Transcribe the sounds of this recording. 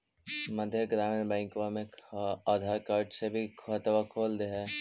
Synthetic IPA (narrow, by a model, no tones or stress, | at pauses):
məd̪ʱjəɡɾaːmenbɛ̃ːŋkʋamẽaːd̪ʱaːɾkaːɾɖsebʱikʰət̪ʋakʰoːld̪eɦɛː